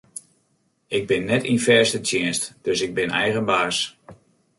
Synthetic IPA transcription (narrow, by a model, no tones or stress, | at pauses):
ɪɡ̚bɪnːɛtinfɛɹstətʰjɪənstd̥øsɪɡ̚bɪnɛjɣənbaːs